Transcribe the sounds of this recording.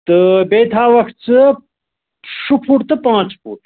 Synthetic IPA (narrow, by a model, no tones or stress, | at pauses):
t̪ɨbeːt̪ʰaːʋɐxt̪t͡sɨ | ʂupʰuʈt̪ɨpãːt͡spʰṵʈ